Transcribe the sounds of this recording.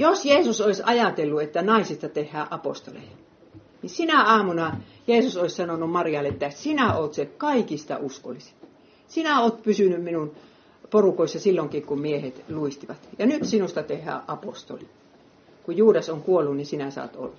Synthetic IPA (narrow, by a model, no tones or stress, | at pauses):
josjeːsusoisɑjɑt̪elːuet̪ːænɑisist̪ɑt̪ehːæːʔɑpo̰st̪olḛijɑ | nisinæɑːmunɑ | jeːsusoissɑnonummɑriɑlːeet̪ːæsinæoːt̪sekɑikist̪ɑ̰usko̰lːˑisi̥t̪ | sinæoːt̪pysynymminun | porukoisːɑsilːoŋkiːkummiehet̪luist̪iʋɑt̪jɑnyt̪sinust̪ɑt̪ehːˑæ̰ːʔɑpo̰st̪o̰li | kujjuːdɑsoŋkuolːunnisinæsɑ̰ːt̪o̰lːɑ̥